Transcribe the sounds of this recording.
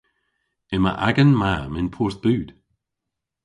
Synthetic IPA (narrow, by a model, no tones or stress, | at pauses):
ɪmə̰ʔa̰ɡənmaːmɪnpʰuːɹθb̥ʉːd̪̥